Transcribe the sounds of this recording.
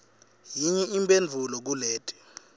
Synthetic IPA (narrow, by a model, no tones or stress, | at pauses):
jiɲɛʔimbʱʼend͡ɮʱulɔk̬uleːtʼɛ̥